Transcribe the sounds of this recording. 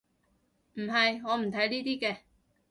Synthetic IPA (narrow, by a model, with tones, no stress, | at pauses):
m̩˨˩ɦɐ˨jŋɔː˨˧m̩˨˩t̪ʰɐ˨˥jliː˥t̪iː˥kɛː˧